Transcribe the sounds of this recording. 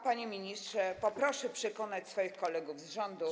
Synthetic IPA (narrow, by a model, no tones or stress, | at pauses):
paɲemʲiɲistʂɛpɔpɾɔʂɛpʂɛkɔnat͡ɕsfɔjixkɔlɛɡuvzʐɔnd̪u